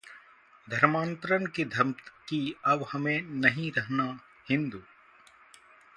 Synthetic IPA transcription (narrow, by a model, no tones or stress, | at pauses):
d̪ʱɐɾmãːnt̪ɾənkid̪ʱɐmt̪kiɐʋhɐmẽnɐɦĩɾɐɦna | hɪ̃nd̪uː